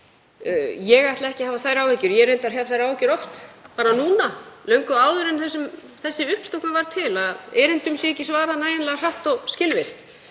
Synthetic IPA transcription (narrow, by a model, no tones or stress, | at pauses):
jɛɣajt̪laɛhcɪhaːvaθajɾawɛcʏɾjɛɾent̪aɾçavθajɾawɛcʏɾɔft̪paːɾanuːnalœɥŋkʏaːwðʏɾɛnθɛsːʏm | θɛsːɪʏhpst̪owknavaɾ̥t̪ʰɪlaðɛːɾɪnt̪ʏmsjɛɛcːɪsvaːɾanaːjɪnlɛɣar̥aht̪ɔɣscɪlvɪr̥t̪